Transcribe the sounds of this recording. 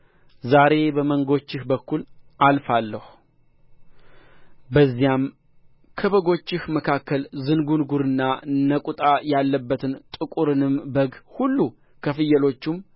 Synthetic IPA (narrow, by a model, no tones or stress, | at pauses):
zaɾe̞bəməŋɡo̞t͡ʃːɪhbəkːulʔalfalːəh | bəzːijam | kʰəβəɡo̞t͡ʃːɪhməkʰakːəlzɨnɡunɡuɾɨnːanəkʼut̪ʼajalːəbːət̪ʰɨnt̪ʼɨkʼuɾɨnɨmbəɡhulːu | kʰəfɨjːəlo̞t͡ʃːum